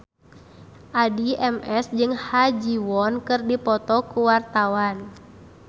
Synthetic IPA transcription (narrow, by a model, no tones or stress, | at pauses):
ʔadiʔɛmʔɛsd͡ʒɨŋhad͡ʒiwɔnkɨrdipɔt̪ɔkuwart̪awan